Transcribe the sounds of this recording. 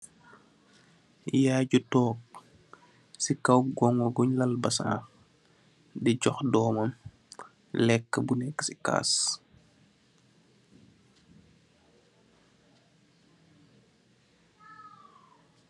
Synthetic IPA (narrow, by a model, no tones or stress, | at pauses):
jaːɟutɔːk̚ | sikɐwɡɔŋɡɔɡɔɲlɐlbɐsa̰ | dɛɟɔxdɔːmɐm | lɛkːəbunɛkːə̥sika̰ːs